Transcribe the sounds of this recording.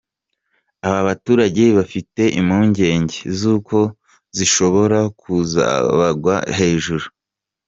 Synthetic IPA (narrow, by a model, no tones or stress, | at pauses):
aβaβatuːɾaɟe̞βafite̞ʔimhuːɲɟe̞ːɲɟe̞zuːko̞ | ziʃo̞βo̞ɾakuza̰βaɡwa̰he̞ːʒuɾu